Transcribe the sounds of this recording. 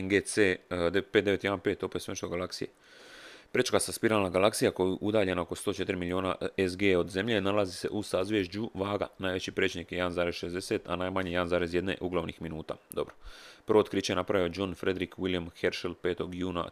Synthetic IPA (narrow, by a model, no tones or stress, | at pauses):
nɡesed̪epeːd̪eʋe̞t̪jeanpe̞ːt̪o̞pesenʃt̪oɡalaksije | pɾet͡ʃkasaspiɾaːlˠnaɡalaksijako̞juʔud̪aːʎe̞naoko̞st̪o̞ːt͡ʃe̞t̪iɾimilio̞ːna̰ezɡeːo̞d̪ze̞mʎe̞nalazise̞̰ʔusazʋʲjeʒd͡ʑuʋaːɡa̰naːjʋe̞t͡ɕipɾet͡ʃnikjeed̪anzaːɾezʃe̞zd̪ese̞t̪a̰naːjmaɲejed̪anzaːɾezje̞d̪ne̞̰ʔuɡlaʋnixminuːt̪a̰ːd̪o̞bɾopəɾʋot̪kɾiːt͡ɕeenapɾaʋiod͡ʒonfɾe̞d̪ɾikwiljamxe̞ɾʃelpe̞ːt̪o̞ɡjuːna̰